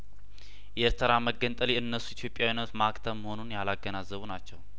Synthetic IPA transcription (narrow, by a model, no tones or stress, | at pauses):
jʔɛeɾt̪ʰəɾaməɡːənt̪ʼəliɨnːəsːuit̪ʰjo̞pʼjawinət̪makt̪ʰəməho̞nunjalaɡːənazːəβunat͡ʃːɛw